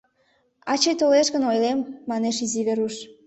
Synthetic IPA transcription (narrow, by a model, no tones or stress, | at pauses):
ɑt͡ɕəjt̪oleʃɣənojlemːɑneʃiziβeɾuʃ